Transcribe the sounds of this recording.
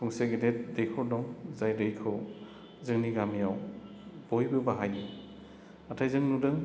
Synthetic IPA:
tʰɔŋseɡedet̚dejkʰɯwdɔŋzajdɯjkʰɯw | zɯŋniɡamijaw | b̥ɔjbɯbaɦajni | atʰajzɯŋnudɯŋ

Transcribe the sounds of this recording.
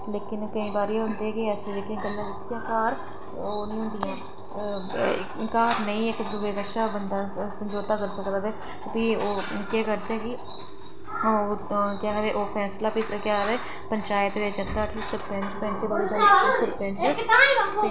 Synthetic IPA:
leːkɪnkəĩːbaːɾiːɦʊnd̪eɛːkɪɛːseːleːkɪnɡəlːãːʋɪt̪ːɪjãːkaːɾ | oːnəĩːɦʊ̃ːnd̪iɛ̃ː | kaːɾnəĩːekɾʊʋeːkəʃaːbənd̪aːsənd͡ʒoːɾt̪aːkəɾsəkd̪aːt̪ɛː | piːoː | kɛːkəɾd̪eɦɛːkɪ | okãːɡːt̪eʔoːpʰɛːslaːpiskaːɡd̪ɛː | pəɲt͡ʃaːɪt̪ʋeːd͡ʒəkd̪aːʈʰiːksəspɛːnspɛːnseːbaɛsəpɛ̃ːnseːɪːi

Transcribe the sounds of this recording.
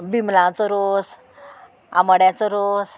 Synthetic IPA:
bimlãt͡sɔɾos | a̰məɽjat͡sɔɾos

